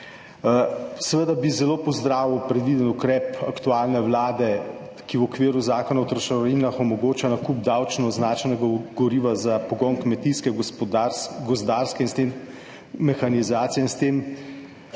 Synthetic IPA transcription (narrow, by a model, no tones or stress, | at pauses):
sɛʋəd̪abizɛloːpɔzd̪ɾaːʋiwpɾɛd̪ʋiːd̪ənukɾɛːpakt̪uaːlnɛwlaːd̪ɛ | kiwɔkʋeːɾuzaːkɔnawt̪ɾʃɛinaxɔmɔɡoːt͡ʃanakub̚d̪awt͡ʃnɔznaːt͡ʃɛnɛɡaɡɔɾiːʋazapɔɡɔnkmɛt̪iskɛ | ɡɔzd̪aːɾskɛinst̪emː | ɛxanizaːt̪sijɛinst̪em